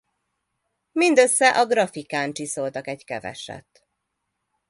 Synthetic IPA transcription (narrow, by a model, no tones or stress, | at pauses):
mind̪ø̞sːɛʔɒɡrɒfikaːnt͡ʃiso̞lt̪ɒkɛɟkɛvɛ̰ʃɛ̰t̪